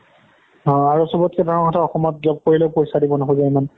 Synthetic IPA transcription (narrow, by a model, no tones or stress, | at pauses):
ɔ̃aɹusɔbɔt̚kɛdaɹɔkɔtʰaɔxɔmɔtzɔb̚koɹilɛpojsadibɔnɔɦozaiman